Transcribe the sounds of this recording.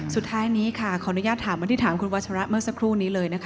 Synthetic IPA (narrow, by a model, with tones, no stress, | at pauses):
su˨˩t̪ʰːaː˦˥jniː˦˥kʰa˥˩kʰɔ˨˩˦ʔnu˦˥jaː˥˩t̪ʰːaː˨˩˦mːba˧˩˧t̪iː˥˩t̪ʰaː˩˦mkʰu˧nwa˦˥t̚t͡ɕʰa˧ɾa˦˥ʔmɯ˥əksa˧˥kʰɾuː˥˩niː˦˥lɤː˧jna˦˥kʰ